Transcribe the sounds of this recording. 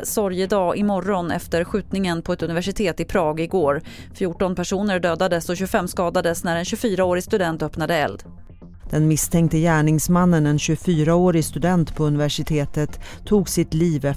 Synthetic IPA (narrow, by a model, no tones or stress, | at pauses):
sɔɾjəd̪ɑːʔɪmɔrɔnɛ̰ft̪əɾɧʉ̟ːt̪nɪŋənpʰɔɛt̪ɵnɪvæʂɪt̪ʰeːt̪ɪpʰɾɑːɡɪɡoːɾ | fjuːʈɔnpʰæʂuːnəɾɖøːd̪ad̪əsɔɕɵfɛmːskɑːd̪ad̪əsnæɾɛnɕɵfyːɾaoːɾɪst̪ɵd̪ɛnt̪œpnad̪əɛ̰ld̪ | d̪̥ɛnmɪst̪ʰɛŋk̚t̪əjæːɳɪŋsmanːənɛnɕɵfyːɾaoːɾɪst̪ɵd̪ɛnt̪pʰɔɵnɪvæʂɪt̪ʰeːt̪ət̪ʰːuːɡsɪt̪liːvɛ